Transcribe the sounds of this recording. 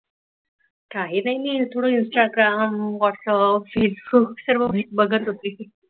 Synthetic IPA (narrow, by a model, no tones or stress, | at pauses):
kaɦinaɦimit̪ʰoɽoinsʈaɡɾamʋɔʈsəpfesbukksəɾʋəbik̚bəɡʱət̪ɦot̪i